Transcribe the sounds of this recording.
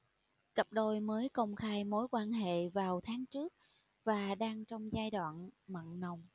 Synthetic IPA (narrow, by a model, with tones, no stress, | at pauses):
kə˨˩p̚ɗo˧jməː˨˦jkə˧wŋ͡mxaː˧jmo˨˦jkwaː˧nɦḛ˧˨vaː˨˩wt̪ʰaː˨˦ŋt͡ɕɨ˦˥ək̚ | vaː˨˩ɗaː˧ŋt͡ɕɔ˧wŋ͡mzaː˧jɗwa̰ː˧˨nmə̰˧˨nnə˨˩wŋ͡m